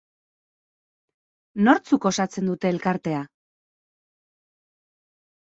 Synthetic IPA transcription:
no̞ɾt͡suko̞sat͡se̞nd̪ut̪e̞ːlkaɾt̪e̞a

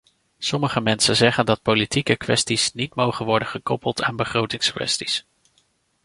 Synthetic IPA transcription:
sɔməχəmɛnsənzɛχəndɑt̚politikəkʋɛ̰stisnitmowχənʋɔɹdəχəkɔpəlˠta̰ːnbəχrowtɪŋskʋɛ̰stis

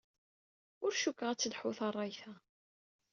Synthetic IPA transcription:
ʊɾʃukːʁæt͡sːəlħʊθɑrˤːɑjθæ

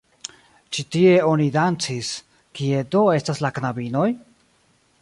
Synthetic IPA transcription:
t͡ʃitie̞o̞nidant͡sis | kie̞do̞e̞staslaknabino̞j

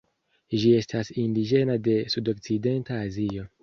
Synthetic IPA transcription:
ʒie̞stasindid͡ʒe̞nade̞sudo̞k̚t͡side̞ntaːzio̞

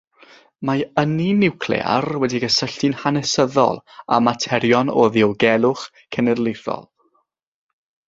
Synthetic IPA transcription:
maəninɪwkʰlˠḛːa̰rwɛdiɡəsəɬtɪnhanɛsəðɔ̰lˠa̰matʰɛɾjɔnɔðiɔwɡɛlˠʊχ | kʰɛnɛrlɪjθɔ̰lˠ

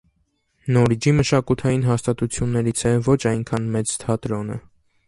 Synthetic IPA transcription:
nɔɾid͡ʒiməʃɑkut̪ʰɑjinɦɑst̪ɑt̪ut͡sʰjunːɛɾit͡sʰɛvɔt͡ʃʰɑjŋkʰɑnmɛt͡st̪ʰɑt̪ɾɔnə̰

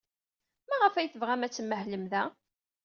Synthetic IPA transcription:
mæʁəfæjθəvʁæmæt͡sːəmːəhləmðæ

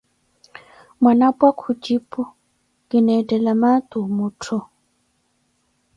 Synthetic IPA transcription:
mwanabakʰud͡ʒipu | ɡ̥inɛdɛlamat̪umutʰɔ

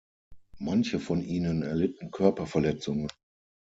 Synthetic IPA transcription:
mançəfɔnʔiːnənɛɐlɪtn̩kʰœɐpɐfɛɐlɛt͡sʊŋən

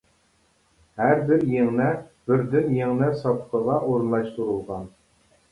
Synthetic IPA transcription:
hæɾbɪɾjeŋnɛbɪɾd̪ɪnjeŋnɛsɑpqʰəʁɑʔoɾɨnlˠɑʃt̪uɾulˠʁɑn

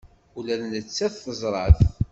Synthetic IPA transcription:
ulælnət͡sːæθθəzˤɾˤɑθ

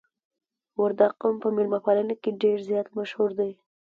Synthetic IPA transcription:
waɾd̪aqʊmpəmɪlmapɑlənakeɖeɾzjɑt̪maʃhuɾd̪aj

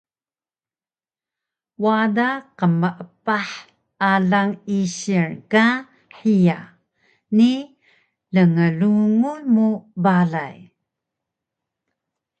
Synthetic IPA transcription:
wadaqəməʔəpaħ | aɮaŋiɕiɹka | ħija | ni | ləŋəluŋunmubaɮaj

